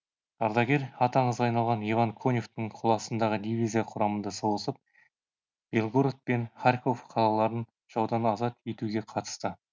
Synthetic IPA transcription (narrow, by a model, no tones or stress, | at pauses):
ɑɾd̪ɑɡʲe̞ɾɑt̪ɑɴəzɑjnɑlˠʁɑnivɑŋkʰo̞nʲoft̪əɴqʰolˠɑsənd̪ɑʁəd̪ivʲizijɑqʰʊɾɑmənd̪ɑso̞lˠəsəp̚ | b̥ʲe̞lˠɡoɾt̪̚pe̞nχarʲko̞fqʰɑlˠɑlˠɑɾən | ʒ̥ɑwd̪ɑnɑzɑt̪e̞t̪uɡʲe̞qʰɑt̪ə̥st̪ə